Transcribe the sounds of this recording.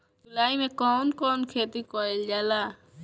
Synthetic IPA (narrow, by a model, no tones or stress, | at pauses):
d͡ʒʊlaːimẽːkoːnkoːnkʰeːt̪ikoːild͡ʒaːlaː